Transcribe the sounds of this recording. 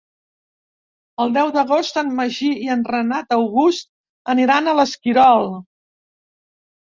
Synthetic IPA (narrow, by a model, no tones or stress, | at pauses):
əlˠd̪ɛwðəɣ̞ost̪ənməʒiiənrənat̪əwɣust̪̚ | əniɾanələskiɾɔlˠ